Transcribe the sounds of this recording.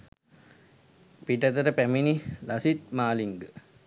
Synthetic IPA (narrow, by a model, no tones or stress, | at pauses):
piʈət̪əɾəpæminilasit̪̚maːliŋɡə